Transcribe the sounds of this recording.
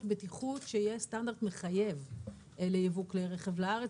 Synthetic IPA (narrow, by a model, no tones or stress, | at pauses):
betiχutʃeijestandaʁdme̞χaje̞v | elejevukleʁeχevlaaʁe